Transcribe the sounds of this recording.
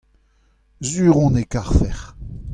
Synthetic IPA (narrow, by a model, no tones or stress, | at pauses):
zyːʁɔ̃nekaʁfɛʁ